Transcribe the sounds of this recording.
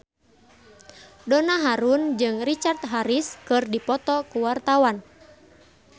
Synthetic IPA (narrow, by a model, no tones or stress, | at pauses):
dɔnaɦaɾund͡ʒɨŋrit͡ʃart̪̚ɦaɾiskɨrdipɔt̪ɔkuwart̪awan